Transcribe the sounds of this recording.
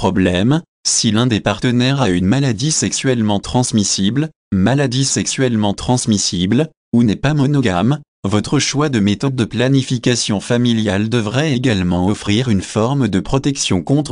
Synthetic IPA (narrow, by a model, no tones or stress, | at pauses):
pχɔblɛm | silɛ̃d̪epaʁt̪ənɛʁaynmalad̪isɛksɥɛlmɑ̃t̪χɑ̃smisibl | malad̪isɛksɥɛlmɑ̃t̪χɑ̃smisibl | unɛpamɔnɔɡam | vɔt̪χəʃwad̪əmet̪ɔd̪̚ːəplanifikasjɔ̃familjald̪əvʁɛeɡalmɑ̃ɔfχiʁynfɔʁmd̪əpχɔt̪ɛksjɔ̃kɔ̃t̪χ